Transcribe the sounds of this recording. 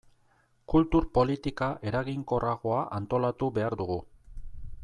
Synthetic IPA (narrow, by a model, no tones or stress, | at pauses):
kult̪uɾpo̞lit̪ikaʔe̞ɾaɣiŋko̞raɣ̞o̞aʔant̪o̞lat̪uβe̞aɾðuɣu